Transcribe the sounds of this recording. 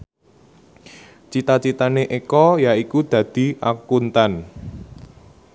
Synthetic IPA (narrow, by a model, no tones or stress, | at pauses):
t͡ʃit̪at͡ʃit̪aneʔekɔjaikud̪̥ä̤d̪̥i̤ʔakunt̪an